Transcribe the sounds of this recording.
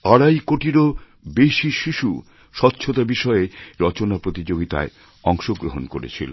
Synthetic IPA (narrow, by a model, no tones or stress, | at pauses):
aɽajkoʈiɾo | beʃiʃiʃu | ʃɔtːɕʰot̪abiʃɔeɾɔt͡ɕonapɾot̪id͡ʑoɡit̪a̰e | ɔŋʃoɡɾoɦonko̰ɾḛt͡ɕʰilo̰